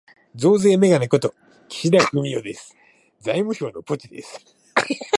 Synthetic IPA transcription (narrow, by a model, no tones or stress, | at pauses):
d͡zo̞ːze̞ːme̞ɡaneko̞t̪o̞ | kʲi̥ɕid̪aiɸɯ̟mʲijoːd̪e̞sɨ̥ | d͡zaimɯ̟ɕo̞ːnopo̞t͡ɕid̪e̞̰sɨ̥